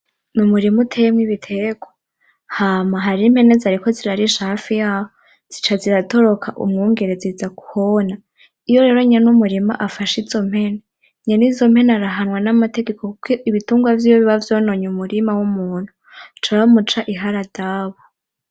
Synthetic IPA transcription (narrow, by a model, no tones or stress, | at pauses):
numuɾimutʰejemŋiβitʰeɡo | haːmaɦaɾimhe̞ne̞zaɾiko̞ziɾaɾiʃaːfijaːho | z̥i̥t͡ʃaziɾato̞ɾo̞kʰaʔṵmŋoːŋɡe̞ɾe̞zizaku̥hona | ijo̞ɾe̞ːɾo̞ɲenumuɾima̰ʔafaʃizo̞m̥he̞ne | ɲanizo̞m̥he̞naɾaɦanwanamate̞ɡe̞kokukʰoiβituːŋɡwavjiːjoβiβavjo̞ːno̞ɲumuɾimawumuːn̥hu̥ | t͡ʃaβamut͡ʃaʔiɦaɾad̥aːβo